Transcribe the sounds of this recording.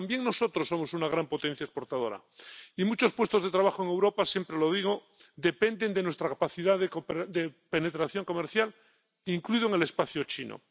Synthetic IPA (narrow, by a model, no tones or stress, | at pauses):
t̪ambje̞ŋno̞so̞t̪ɾosːo̞mo̞sunaɣ̞ɾampot̪e̞n̟θjaespo̞ɾt̪að̞o̞ɾa̰ | imut͡ʃo̞spwe̞st̪oðet̪ɾaβ̞axoeŋe̞wɾo̞pasje̞mpɾelo̞ðiɣ̞o̞ | d̪e̞pe̞nd̪e̞nd̪e̞nwest̪ɾakapaθiðaðekopd̪epene̞t̪ɾaθjo̞ŋko̞meɾθjal | iŋkluiðoeŋe̞le̞spaθjot͡ʃino̰